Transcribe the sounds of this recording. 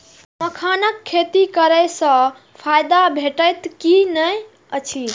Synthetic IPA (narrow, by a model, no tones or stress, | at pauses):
məkʰanəkʰːet̪ikəɾəjsə̃ | pʰajd̪abʱeʈəjt̪kinəj | ət͡ʃʰi